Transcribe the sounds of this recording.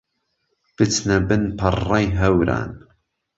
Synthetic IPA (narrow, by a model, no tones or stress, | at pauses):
b̥ɨt͡snɐbɨnpʰɨrːɑjɦɐwɾa̰ːn